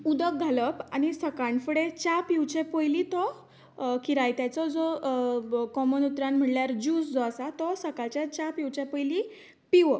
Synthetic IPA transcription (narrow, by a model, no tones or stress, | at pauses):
ud̪ək̚ɡʱaləpañisəkaɳfuɽet͡ɕapiwt͡ɕẽpojlit̪ɔ | kiɾajt̪jat͡sɔd͡zɔ | kɔmənut̪ɾãnm̤əʈljaɾd͡ʑuːsd͡zɔəsat̪ɔsəkalt͡ɕjat͡ɕapjiwt͡ɕepɔjli | piʋə